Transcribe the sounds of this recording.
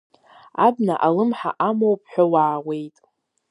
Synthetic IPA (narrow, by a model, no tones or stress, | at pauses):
abnaʔalɨmħa̰ʔamowpʰʼħʷᶣawaːwe̞jtʼ